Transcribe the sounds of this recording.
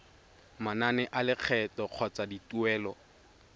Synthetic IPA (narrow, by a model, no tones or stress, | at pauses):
mananɛʔalɪq͡χʰɛtɔq͡χʰɔt͡sadituɛːlɔ